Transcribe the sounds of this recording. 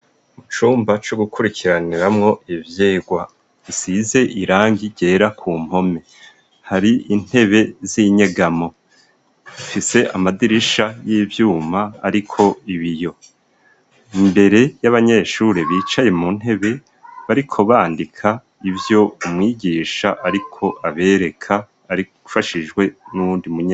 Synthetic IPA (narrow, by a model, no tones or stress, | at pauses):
umut͡ʃuːmbat͡ʃoɡukʰuɾikʰiɾaniɾamŋo̞ʔivjeːɡwa | isize̞ʔiɾaːŋɡiɟe̞ːɾakʰuːm̥ho̞me̞ | haɾiin̥he̞βe̞ziɲeɡamo̞ | ifise̞ʔa̰madiɾiʃajiːvjuːma̰ːɾikʰo̞iβijo̞ | imbe̞ɾe̞jaβaɲe̞ʃuːɾeβiːt͡ʃaje̞mun̥he̞βe̞ | βaɾikʰo̞βaːndikʰa | ivjo̞umŋiːɟiːʃaʔaɾikʰo̞ʔaβe̞ːɾe̞kʰaː | ɾi | ufaʃiʒɡwe̞nuβuːndimuɲa